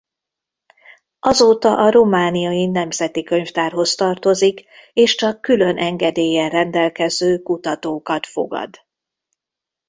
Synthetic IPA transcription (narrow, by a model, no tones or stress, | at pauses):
ʔɒzoːt̪ɒʔɒɾomaːnijɒinɛmzɛt̪ikø̞ɲft̪aːrɦo̞st̪ɒrt̪o̞zikeːʃt͡ʃɒkːylø̞nʔɛŋɡɛd̪eːjɛrɛnd̪ɛlkɛzøːkut̪ɒt̪oːkɒt̪fo̞̰ɡɒ̰d̪